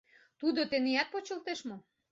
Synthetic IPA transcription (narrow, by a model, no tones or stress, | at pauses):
t̪ud̪ot̪eneæt̪̚pot͡ɕəlt̪eʃmo